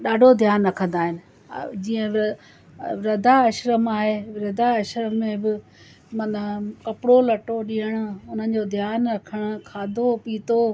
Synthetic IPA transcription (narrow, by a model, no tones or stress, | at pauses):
ɗaːɖʱod̪ʱjaːnɾɐkʰə̃nd̪aːɦɪnɪ̆ | d͡ʑiːə̃ | ɾɐd̪ʱaɐʃɾəmaːɦeːɾɐd̪ʱaɐʃɾəmːẽbɪ | mɐnəkɐpɪɽolɐʈoɗĩːəɽ̃ʊ̆ʊn̤ən̆d͡ʑod̪ʱjaːnɾɐkʰəɽ̃̆kʰaːd̪ʱopiːt̪o